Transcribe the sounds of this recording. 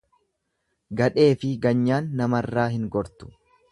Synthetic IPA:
ɡɐᶑe̞ːfɪɡɐɲːaːnːɐmɐrːaːɦɪŋɡɔɾt̪ʊ̥

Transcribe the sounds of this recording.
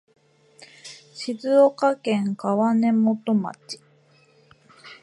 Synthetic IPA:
ɕizɨokakẽ̞ŋkaβane̞mo̞t̪o̞ma̰t͡ɕi̥

